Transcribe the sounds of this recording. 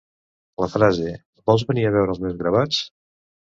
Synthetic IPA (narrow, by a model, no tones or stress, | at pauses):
ləfɾaze | bɔlˠzβəniəβɛwɾəlˠzmewzɣɾəβat͡s